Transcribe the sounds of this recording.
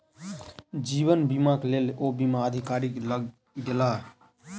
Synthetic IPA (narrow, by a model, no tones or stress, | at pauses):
d͡ʒiːʋənbimaklelobimaəd̪ʱikaɾɪkləɡ | d̪ela